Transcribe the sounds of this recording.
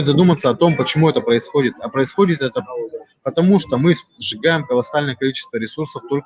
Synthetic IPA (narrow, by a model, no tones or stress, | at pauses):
ʏt̪zɐd̪umət̪sːəɐt̪o̞mpət͡ɕɪmuɛt̪əpɾəɪsxo̞dʲɪt̪ɐpɾəɪsxo̞dʲɪt̪ɛt̪əpoəpət̪ɐmuʂt̪omɨʐɨɡajɪmkəlˠɐsalʲnəjəkɐlʲit͡ɕɪ̥st̪vəɾʲɪsursəft̪o̞lʲk